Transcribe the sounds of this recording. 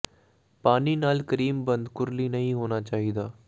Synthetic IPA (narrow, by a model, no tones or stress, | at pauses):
paːniːnaːlkəɾiːmbənd̪kʊɾliːnəɦĩːɦoːnaːt͡ʃaːɦiːd̪aː